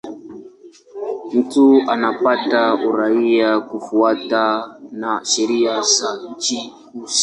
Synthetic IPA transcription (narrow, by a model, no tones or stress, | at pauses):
m̩tuanapatauɾaiakufuatanaʃɛɾijazat͡ʃihusi̥